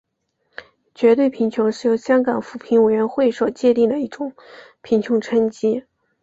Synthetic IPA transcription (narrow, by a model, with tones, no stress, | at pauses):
t͡ɕɥɛ˧˥t̪we˥˩ɪpʰi˧˥ŋt͡ɕʰjʊ˧˥ŋʂɻ̩˥˩jo˧˥ʊɕjɑ˥ŋkɑ˨˩ŋfu˨˩pʰi˧˥nwe˨˩ɪɥɛ˧˥nxwe˥˩ɪʂwɔ˨˩t͡ɕjɛ˥˧t̪i˥˩ŋd̪ə˩i˥˩ʈ͡ʂʊ˨˩ŋ | pʰi˧˥ŋt͡ɕʰjʊ˧˥ŋʈ͡ʂʰə˥nt͡ɕi˥